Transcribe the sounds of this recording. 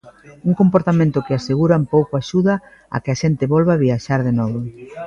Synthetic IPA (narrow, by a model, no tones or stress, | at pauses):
uŋkompoɾt̪amẽnt̪ʊkɪaseɣuɾampowkoaʃuðɐ | a̰kɪaʃent̪ɪβɔlβaβiaʃaɾðenɔβo